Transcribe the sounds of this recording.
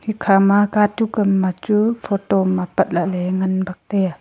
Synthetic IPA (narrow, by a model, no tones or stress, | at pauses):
hikʰamakaːtukəmːat͡ʃufot̪oːmapat̪̚lalɛŋənbak̚t̪ɛ